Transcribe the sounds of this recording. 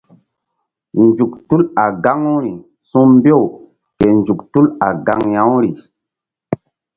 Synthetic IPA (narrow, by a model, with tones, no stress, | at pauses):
nd͡ʒu˨ktu˦la˨ɡa˦ŋu˦ɾi˨ | sũ˦mbe˦˨w | ke˨nd͡ʒu˨ktu˦la̰˨ɡa˦ŋjã˦wɾi˨